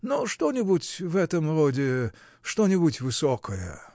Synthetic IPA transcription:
noʂt̪onʲɪbutʲvɛt̪əmrodʲɪ | ʂt̪onʲɪbʊtʲvɨsokəjə̰

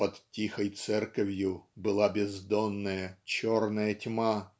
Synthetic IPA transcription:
pɐt̪tʲːixəjt̪sɛrkɐvʲjʊbɨlˠabʲɪzd̪onːəjət͡ɕornəjətʲma

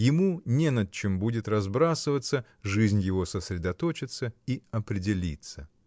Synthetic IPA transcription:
jɪmunʲenɐt͡ɕɪmbudʲɪt̪rɐzbɾasɨvət̪sə | ʐɨzʲnʲjɪvo̞səsʲɾʲɪd̪ɐt̪ot͡ɕɪt̪səiɐpɾʲɪdʲɪlʲḭt̪sə

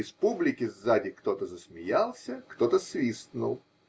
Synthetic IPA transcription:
ɪspublʲɪkʲɪzːadʲɪkt̪o̞t̪əzəsmʲɪjalˠsʲəkt̪ot̪əsvʲist̪nʊ̰lˠ

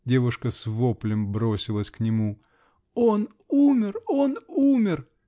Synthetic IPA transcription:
dʲe̞vʊʂkəsvoplʲɪmbɾo̞sʲɪlˠəsʲknʲɪmu | on | umʲɪronumʲɪr

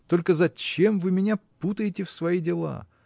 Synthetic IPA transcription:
t̪o̞lʲkəzɐt͡ɕe̞mvɨmʲɪnʲaput̪əjɪtʲɪfsvɐjidʲɪlˠa̰

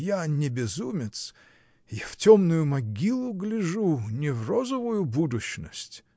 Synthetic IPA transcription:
janʲɪbʲɪzumʲɪt̪s | jaftʲomnʊjʊmɐɡʲilˠʊɡlʲɪʐunʲɪvrozəvʊjʊbud̪ʊɕnəsʲtʲ

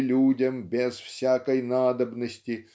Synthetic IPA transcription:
lʲudʲəmbʲɪzfsʲakəjnad̪əbnəsʲtʲɪ

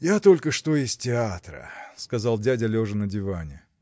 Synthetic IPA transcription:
jat̪o̞lʲkəʂt̪o̞ɪsʲtʲɪat̪ɾə̰skɐzɑlˠdʲadʲɐlʲoʐɨnədʲɪvanʲɪ̰

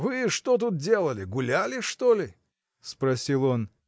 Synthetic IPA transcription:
vɨʂt̪ot̪̬ut̪̚dʲe̞lˠəlʲɪɡʊlʲælʲɪʂt̪olʲɪ | spɾɐsʲilˠo̞n

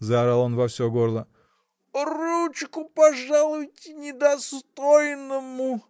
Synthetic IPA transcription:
zaɾalˠonvɐfsʲoɡoɾlˠə | rut͡ʃkʊpɐʐalˠʊjtʲɪnʲɪd̪ɐst̪ojnəmʊ

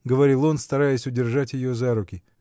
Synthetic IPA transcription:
ɡəvɐɾʲilˠo̞nst̪ɐɾajɪsʲʊdʲɪrʐatʲjɪjo̞zaɾʊkʲɪ

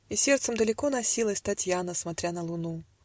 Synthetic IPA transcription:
isʲɛrt̪səmd̪əlʲɪkɔnasʲilˠəst̪at͡sʲjanəsmat̪ɾʲanəlˠʊnu

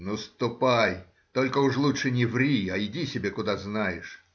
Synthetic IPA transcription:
nəst̪ʊpaj | t̪olʲkəʊʂlˠutʂɨnʲɪvɾʲiɐɪdʲisʲɪbʲekʊd̪aznajɪʂ

